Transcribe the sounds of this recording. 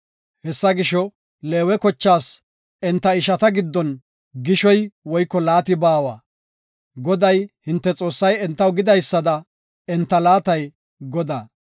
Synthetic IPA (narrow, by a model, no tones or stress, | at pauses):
hɛsːɐɡɪʃɔ | le̞ːwɛkɔt͡ʃːaːs | ɛnt̪ːɐɪʃɐt̪ɐɡɪd̪ːɔn | ɡɪʃɔjwɔjkːɔlaːt̪ɪbaːwa̰ː | ɡɔd̪ɐjhɪnt̪ːɛt͡sʼo̞ːsːɐjɛnt̪ːɐwɡɪd̪ɐjsːɐd̪ɐ | ɛnt̪ːɐlaːt̪ɐj | ɡɔd̪aː